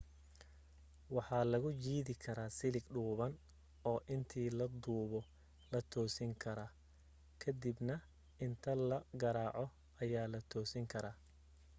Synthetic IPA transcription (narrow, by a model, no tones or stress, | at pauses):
wɑħɑːlɐɣʊt͡ʃiːðɪkʰɐɾaːsɪlɪɡɖuːβɐn | ɔːʔɪnt̪ʰiːlɐd̪uːβɔ | lɐt̪ʰɔːsɪŋkʰɐɾaː | kʰɐd̪ɪbnɐ | ɪnt̪ʰɐlɐɡɐɾaːʕɔ | ɐjaːlɐt̪ʰɔːsɪŋkʰɐɾaː